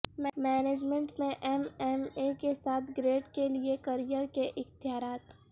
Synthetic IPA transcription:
mmɛːneːd͡ʒmɛ̃ɳʈmẽʔɛmɛmekesaːt̪ʰɡɾeːʈkeliekəɾijəɾkeʔɪxt̪ɪjaːɾaːt̪

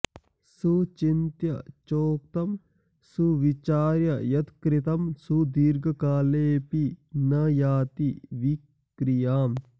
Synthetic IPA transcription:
sut͡ʃint̪jɐt͡ʃoːk̚t̪ɐm | suʋit͡ʃaːɾjɐjɐt̪kɾɪt̪ɐmsud̪iːɾɡɐkaːleːpinɐjaːt̪iʋik | ɾijaːm

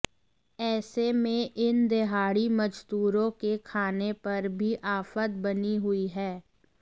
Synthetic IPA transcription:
ɛːsemẽʔɪnd̪eɦaːɽimɐd͡ʒt̪uːɾõkekʰaːnepɐɾbʱiʔaːfət̪̚bɐniɦʊiɦɛː

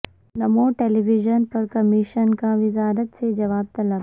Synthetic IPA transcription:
nɐmoːʈeliʋid͡ʒənpɐɾkɐmiʃənkaʋɪzaːɾət̪sed͡ʒɐʋaːb̚t̪ɐla

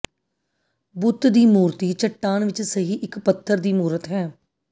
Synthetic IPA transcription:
bʊt̪d̪iːmuːɾt̪iːt͡ʃəʈːaːnʋɪt͡ʃsəɦiːʔɪkpət̪ʰːəɾd̪iːmuːɾət̪ɦɛː

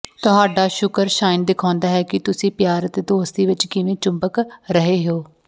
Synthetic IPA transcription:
t̪ʊɦaːɖaːʃʊkəɾʃaːɪnd̪ɪkʰãːnd̪aːɦɛːkɪt̪ʊsĩːpjaːɾət̪eːd̪oːst̪iːʋɪt͡ʃkɪʋẽːt͡ʃʊmbəkɾəɦeːɦeoː

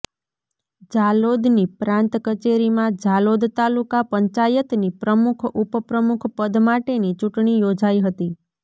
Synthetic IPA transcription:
d͡ʒalod̪nipɾãnt̪kət͡ʃeɾimãd͡ʒalod̪t̪alukapəɲt͡ʃajət̪nipɾəmukʰupəpɾəmukʰpəd̪ʱmaʈenit͡ʃuʈɳ̃ijod͡ʒaiɦət̪i

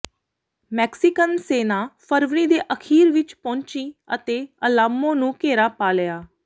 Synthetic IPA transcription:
mɛːksɪkənseːnaːpʰəɾʋɾiːd̪eːʔəkʰiːɾʋɪt͡ʃpɔ̃ːɲt͡ʃiːə̰t̪eːəlaːmːõːnũːkeːɾaːpaːlɪjaː

